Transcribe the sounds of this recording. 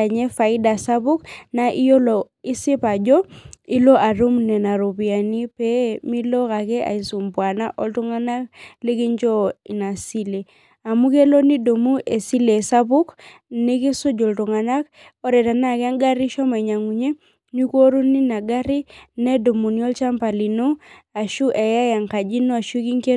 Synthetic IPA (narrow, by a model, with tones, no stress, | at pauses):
a˨ɲɛ˦fa˨i˦da˨sa˦bu˦kna˦ʔi˦jo˦lo˨ | i˦si˦pa˨d͡ʒɔ˦i˦lo˦ʔa˨ɾu˦mnɛ˨na˨ɾo˨bi˨a˨ni˦pɛ˦mi˦lɔ˦ka˨kɛ˦ʔa̰˨i˨su˨mbwa˨na̰˦ʔo˦ltu˦ŋa˦na˦kli˦ki˦ɲd͡ʒɔ˦i˨na˨si˦le˨ | a˨mu˦ke˦lo˦ni˦do˨mu˦ʔe˨si˦le˨sa˦bu˦k | ne˦ke˦so˦d͡ʒɔ˨ltu˨ŋa˨na˦k | ɔ˦ɾɛ˨ta˨na˦˨kɛ˦a˦ŋɡa˦ɾi˦ʃɔ˦ma˨ɲa˨ŋu˨ɲe˦ | nu˦ko˦ɾu˦ni˦na˨ɡa˦ɾi˦nɛ˦do˨mu˨ni˦ɔ˦lt͡ʃa˦mpa˨li˨no˦a˨ʃu˦ʔe˨ja˦ja˨ŋka˨d͡ʒi˦nɔ˦a˨ʃu˦ki˦ŋke˦